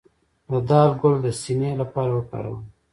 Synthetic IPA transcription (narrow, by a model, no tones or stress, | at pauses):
d̪əd̪ɑːlɡʊld̪əsinelapɑːɾawəka̰ɽa̰wən